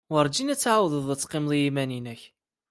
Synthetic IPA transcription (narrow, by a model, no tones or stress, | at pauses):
wəɾˤd͡ʒinæt͡sːʕawðəðˤət͡sːqɪmðˤijimæninæç